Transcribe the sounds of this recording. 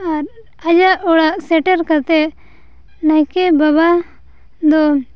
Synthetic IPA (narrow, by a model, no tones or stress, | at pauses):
aɾ | ad͡ʒaʔɔɽaʔsɛʈaɾkaɾt̪ɛ | najkɛbaβa | d̪ɔ